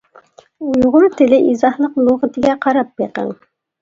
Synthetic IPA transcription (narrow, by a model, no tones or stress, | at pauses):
ujuʁʊɾt̪ʰɪlɪʔizɑhnəqlˠuʁət̪ʰɪɡʲɛqʰɑɾɑp̚beqə̰ŋ